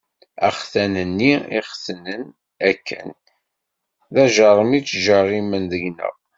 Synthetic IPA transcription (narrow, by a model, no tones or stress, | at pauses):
æ̰χθænənːiḭχθənən | ækːə̰n | ðæʒəɾˤəmit͡sːʒəɾˤimənðəɡnə̰ʁ